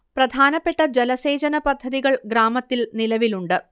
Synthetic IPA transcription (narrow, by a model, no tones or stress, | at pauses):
prɐd̪ʱaːnɐpːe̞ʈːɐd͡ʑelɐse̞ːd͡ʑɐnɐpɐd̪ʱːɐðiɣɐɭɡɾaːmɐt̪ːilnilɐʋiluɳɖɨ